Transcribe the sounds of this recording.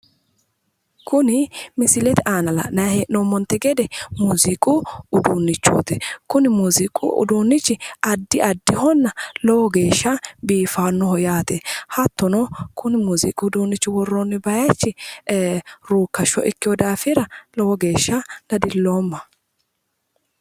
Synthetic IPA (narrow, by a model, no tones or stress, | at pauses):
kʊnɪmɪsɪlɛt̪ɪʔaːnɐlɐ̰nɐheːnɔmːɔnt̪ːɛɡɛd̪ɛmuːzikʼuʊd̪uːnːɪt͡ʃːṵːt̪ɛkʊnɪmuːzikʼṵʔʊ̰d̪uːnːɪt͡ʃːɪɐd̪ːɪʔɐd̪ːɪhɔnːɐlɔwɔɡe̞ːʃːɐbiːfaːnːɔhɔjaːt̪ɛhɐt̪ːɔnɔkʰʊnɪmuːzḭːkʼʊːd̪uːnːɪt͡ʃːɪwɔrːɔnːɪbɐjɐt͡ʃːɪ | ɾuːkːɐʃɔ̰ʔɪkːɪɔd̪aːfɪɾɐlɔwɔɡe̞ːʃːɐd̥ɐd̪ɪlːoːmːɐ